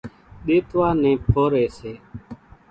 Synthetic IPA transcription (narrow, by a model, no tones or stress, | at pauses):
ɗeːt̪ʋaːnẽːpʰoːɾeːseː